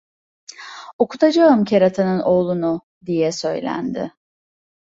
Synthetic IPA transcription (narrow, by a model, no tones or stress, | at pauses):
o̞kʰut̪ʰad͡ʒaɯmcʰeɾat̪ʰanɯno̞ːlˠunʊ | d̪ijɛsø̞jlʲæ̰nd̪ɪ̰